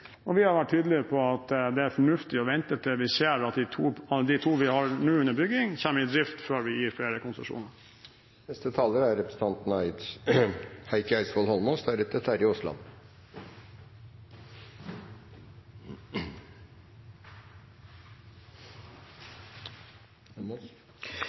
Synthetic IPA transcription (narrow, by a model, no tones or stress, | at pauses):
ɔʋɪhɑɾʋæʈ̚ʰːyːd̪l̩ɪəpʰɔɑt̪d̪ɛæɾfɔɳʉft̪ɪɔʋɛnt̪ət̪ʰɪlʋɪseːɾɑt̪ɪt̪ʰuːɑd̪ɪt̪ʰuːʋɪhɑɾnʉːʉnːəbʏɡɪŋçæːməɾɪd̪ɾɪft̪føːɾʋɪjiːɾfleːɾəkʊnsʂṵːnəɾ | nɛst̪ət̪ʰɑːləɾæɾɾɛpɾəsət̪ɑnt̪n̩æɪt̪s | hæɪkəæɪsʋɔlhɔlmɔst̪æɾɛt̪ət̪ʰæɾɪʊst̪lɑ̰n